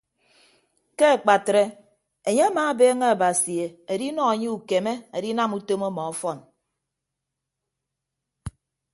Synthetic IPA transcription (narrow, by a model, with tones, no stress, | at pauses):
ke˦e˨k͡pa˨tɾe˦ | e˨ɲe˦a˦maː˨˦beː˦ŋe˦a˨ba˨si˨e˨e˨di˦nɔ˦e˨ɲe˦u˨ke˨me˦e˨di˦na˦mu˦to˦mo˦mɔ˨ɔ˦fɔ˦˨n